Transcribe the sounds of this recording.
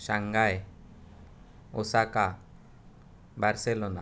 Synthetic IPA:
ʃaŋɡae | osaka | baɾselona̰

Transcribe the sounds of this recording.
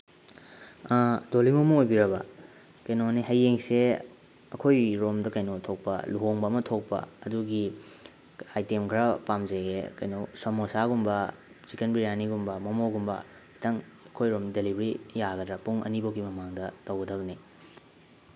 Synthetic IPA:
dolimɐmɐojbiɾɐbɐ | kɐjnoneɦɐjːeŋse | ɐkʰojɾomdɐkɐjnotʰok̚pɐ̰luɦoŋbɐːmɐtʰok̚pɐ̰ɐduɡi | ajtemkʰɾɐpamzeɡekɐjnosomosaɡumbɐ | t͡ʃikenbiɾijaniɡumbɐmɐmoɡumbɐ̰ | hitʰɐŋ | ɐkʰojɾomdelibɾijaɡɐdɾɐpuŋɐ̰nibɐwɡimɐmaŋdɐtɐwɡɐdɐβɐni

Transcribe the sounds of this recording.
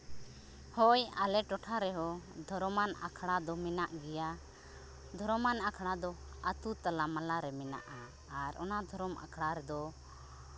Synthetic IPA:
hɔjalɛʈɔʈʰaɾɛɦɔd̪ʱɔɾɔmana̰kʰɽad̪ɔmɛnaʔɡɛja | d̪ʱɔɾɔmanakʰɽad̪ɔ | at̪ut̪alamalaɾɛmɛna̰ʔaː | ɾɔ̰nad̪ʱɔɾɔmʔa̰kʰɽaɾɛd̪ɔ

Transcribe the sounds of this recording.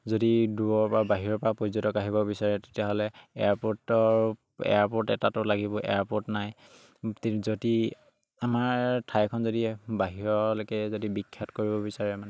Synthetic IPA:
zodiduɹɔɹpɔɹabaɦiɹɔɹpɔɹapozɔtɔkaɦibɔbisaɹɛte̥tijaɦɔlɛɛ̰aɹpɔtɔɹ | ɛ̰aɹpɔɹtɛ̰tatʊlaɡibɔʔɛ̰aɹpɔtnaj | tzodi | amaɹtʰajkʰɔnzodiɛbaɦiɹɔlokɛzodibikʰːatkoɹibɔbisaɹɛmanɛ

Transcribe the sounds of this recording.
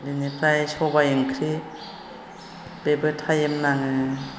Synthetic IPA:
linipɾajsɔbajɯŋkʰɾi | bebɯtʰajɯmnaŋɯ

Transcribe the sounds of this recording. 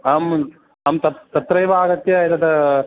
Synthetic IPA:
am | amt̪ɐt̪ɐt̪ɾɐjʋaːɡɐt̪jɐjɐt̪ɐt̪ɐ

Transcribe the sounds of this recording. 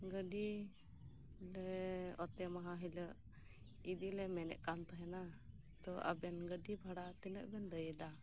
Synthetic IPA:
ɡəɖi | lɛɔt̪ɛmaɦãɦiləʔ | id̪ilɛmɛnɛ̰ʔkant̪ɔɦɛna | t̪ɔa̰bɛnɡədibʱaɽat̪inə̰ʔbɛnd̪əjɛd̪a

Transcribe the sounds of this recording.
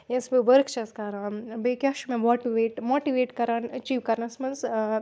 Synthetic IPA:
jesbeʋɐɾkt͡ʃɐskɐɾãːbekjaːʃumẽmoːʈiʋeːʈmoːʈiʋeːʈkɐɾaːnɐt͡ʃiːʋkɐɾnɐsmɐnz

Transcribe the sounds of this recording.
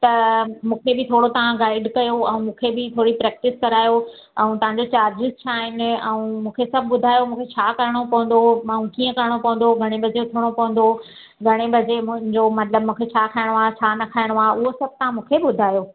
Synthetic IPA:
t̪ɐmũːkʰebɪt̪ʰoːɽot̪ɐʋãɡaːɪɖkɐjoɛũmũːkʰebɪt̪ʰoːɽipɾɛːk̚ʈɪskɐɾaːjo | ɛ̃ũt̪ɐʋ̤ãɲd͡ʑot͡ɕaːɾd͡ʑɪzt͡ɕʰaːɦɪnɪ̆ɛ̃ũmũːkʰesɐbʱbʊd̪ʱaːjomũːkʰet͡ɕʰaːkɐɾɪɽ̃opɐ̃ɦə̃n̆d̪oɐũkiːə̃kɐɾɪɽ̃opɐ̃ɦə̃n̆d̪oɡʱɐɽ̃ebʱɐd͡ʑeʊt̪ʰəɽ̃opɐ̃ʋə̃n̆d̪o | ɡʱɐɽ̃ebʱɐd͡ʑemʊ̃ɦɪ̃ɲd͡ʑomɐt̪ləbmũːkʰet͡ɕʰaːkʰaːɪɽ̃oaːt͡ɕʰaːnɐkʰaːɪɽ̃oaːɦʔʊɦosɐb̚ʱt̪ɐʋ̤ãmũːkʰebʊd̪ʱaːjo

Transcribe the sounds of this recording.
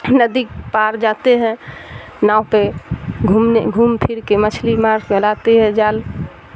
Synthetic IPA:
nəd̪ik̚paɾd͡ʒat̪eɦɛ̃ | naupeɡʱumeɡʱuːmpʰiɾkemət͡ʃʰlimaɾɡelat̪eɦɛ̃d͡ʒal

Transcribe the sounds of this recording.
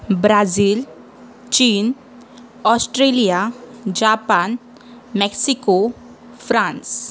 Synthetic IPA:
bɾaziːl | t͡ɕiːn | ɔsʈɾelijad͡ʒapan | mɛksiko | fɾãns

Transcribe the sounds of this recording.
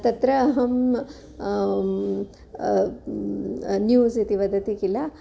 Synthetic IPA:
t̪ɐt̪ɾɐːɦɐm | njuːzit̪iʋɐd̪ɐt̪ikilːɐ

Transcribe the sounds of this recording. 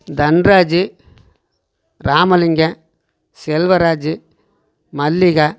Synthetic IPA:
d̪ɐnɾaːd͡ʒɯ | ɾaːmɐlɪŋɡɐ | sɛlʋɐɾaːd͡ʒɯ | mɐlːɪɣaː

